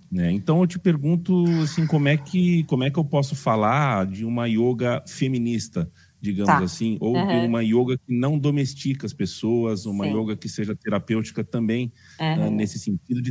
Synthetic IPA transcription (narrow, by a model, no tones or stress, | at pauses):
nɛẽt̪ɐ̃w̃ewt͡ʃɪ̥peɾɡũnt̪ʊasĩkõmʊɛkɪkõmʊɛkɪewpɔsʊfalaɾd͡ʒɪũmɐioɡɐfemĩnist̪ɐ | d͡ʒiɡɐ̃mʊzasĩowd͡ʒɪũmɐioɡɐkɪnɐ̃w̃d̪omest͡ʃikɐɐspesoɐzũmɐioɡɐkɪseʒɐt̪eɾapewt͡ʃi̥kɐt̪ɐ̃mbẽj̃ | ɛnesɪ̥sẽnt͡ʃid̪ʊd͡ʒɪ